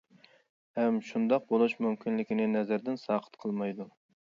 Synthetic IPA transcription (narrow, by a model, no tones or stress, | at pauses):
hɛmʃund̪ɑq̚bolˠuʃmymkʲʰinlɪkʲinɪnɛzæɾd̪ɪnsɑːqʰə̥t̪qʰəlˠmɑjd̪u